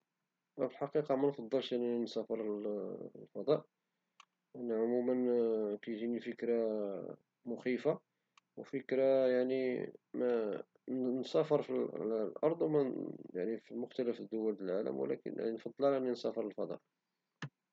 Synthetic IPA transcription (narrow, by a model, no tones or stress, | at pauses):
æfəlħɑqiqɑmænfɑd̪ˤːəlʃʔənːæinsæfəɾˤ | lfɑd̪ˤɑʔ | ʔænːæʕʊmumənkæjʒinifəkɾa | mʊxifa | wfəkɾajaʕnimæ | nsæfəɾˤfil̰lʔɑɾˤd̪ˤwmæja̰ʕnifimʊxt̪æləfəd̪ːʊwːəld̪əlʕalə̰mwə̰læ̰kə̰nj̰ʕninfɑd̪ˤːəlʕlæʔnːinsæfəɾˤəlfɑd̪ˤɑ̰ʔ